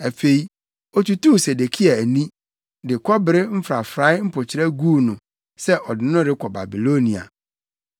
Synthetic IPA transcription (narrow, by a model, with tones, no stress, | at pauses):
æ˨fe˦i˦ | ɔ˨tu˨tu˦˨se˨de˨kʰi˦a˨æ˨nĩ˦ | dɪ˨kʰɔ˦bɪ˨ɾɪ˦m̩˦fɾa˨fɾa˦ɪ˦m̩˦pʰʊ˨t͡ɕʰɪ˨ɾɛ˦ɡuː˦˨nʊ̃˨ | sɛ˦ʔɔ˨dɪ˨nʊ̃˦ɾɪ˦kʰɔ˨ba̰˨bi˨lo˦nĩ˨a̰˨